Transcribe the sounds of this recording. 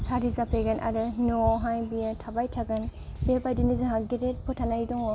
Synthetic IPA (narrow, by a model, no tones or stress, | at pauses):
saɾizapeɡanʔa̰ɾɯnɔɦajbijatʰabajtʰaɡanbiabajdinizɯɦaɡetet̚pʰɯtʰanajdɔŋɔ